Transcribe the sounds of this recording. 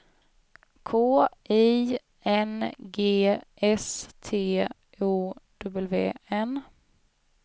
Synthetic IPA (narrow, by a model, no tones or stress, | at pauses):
kʰoːʔiː | ɛnɡeːʔɛst̪ʰeː | uːd̪̥ɵbɛlvḛːɛn